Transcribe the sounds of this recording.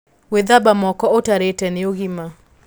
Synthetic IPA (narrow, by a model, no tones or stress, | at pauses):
weðabamɔkɔotaɾetɛneoɣima